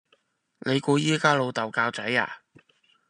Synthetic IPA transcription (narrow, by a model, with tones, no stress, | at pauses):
nʔe˨˧jkuː˧jiː˥kaː˥lo˨˧wt̪ɐ˨˩wkaː˧wt͡sɐ˨˥ja̰ː˨˩